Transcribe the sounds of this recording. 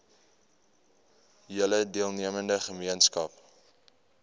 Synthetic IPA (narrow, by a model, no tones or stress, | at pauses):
jələdiəlˠniəməndəχəmiənskɐp